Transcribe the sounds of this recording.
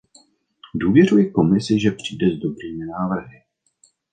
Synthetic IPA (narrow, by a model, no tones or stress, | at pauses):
duːvjɛrujɪko̞mɪsɪʒɛpr̥iːdɛzdo̞bɾiːmɪnaːvr̩ɦɪ